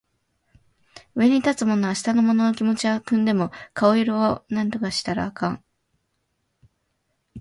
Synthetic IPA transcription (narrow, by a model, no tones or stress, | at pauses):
ɯβe̞ɲ̟it̪at͡sɨmo̞no̞aɕi̥t̪ano̞mo̞no̞nokʲimo̞t͡ɕiakɯ̟̃nd̪e̞mo̞kaoiɾoonãnt̪o̞kaɕi̥t̪aɾa̰ːkãŋ